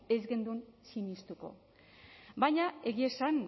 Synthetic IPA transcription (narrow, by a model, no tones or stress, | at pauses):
e̞zɣe̞nd̪uensiɲist̪uko̞̰ | bajɲae̞ɣie̞san